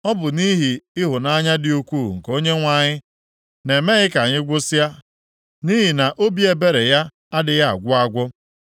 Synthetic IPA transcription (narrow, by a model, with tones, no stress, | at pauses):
ɔ˦bʊ˨ni˦ɦi˨ɪ˦ɦʊ˨na˦ɲa˦dɪ˨u˦kʷu˦˨ŋ̩˨ko˦ɲe˦ŋʷa˨ɲɪ˦ | ne˨me˦ɲɪ˦ka˨ɲɪ˦ɡʷʊ˦sa˦ | ni˦ɦi˨na˨ʔo˦bi˦e˨be˦ɾe˨ja˦ | a˦dɪ˨ja˦a̰˨ɡʷʊ˦a˦˨ɡʷɔ˦